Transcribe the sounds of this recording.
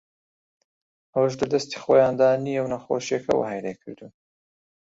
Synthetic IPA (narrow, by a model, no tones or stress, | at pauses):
ɐwɐʃ̬lɐd̪ɐst̪i̥xoːjaːnd̪anijɛwnɐxo̰ʃjekʰɐ̰wa̰hajɾekʰɨɾd̪u